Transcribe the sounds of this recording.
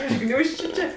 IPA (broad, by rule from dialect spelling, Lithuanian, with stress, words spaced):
ɪʃ ˈɡnʲuːʃʲt͡ʃʲʊ ˈt͡ʃʲeː